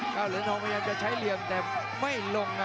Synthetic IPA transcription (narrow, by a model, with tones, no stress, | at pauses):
ʔaː˧˩lɯː˨˦t̪ʰɔː˧ŋpa˧jaː˧ŋ̚t͡ɕa˨˩t͡ɕʰa˦˥jli˧əmt̪ɛː˨˩ | ma˥˩jlo˧ŋna˧